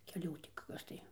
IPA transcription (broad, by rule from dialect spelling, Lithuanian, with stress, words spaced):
kʲɛˈlʲuː tʲɪ ˈkɐs tɐɪ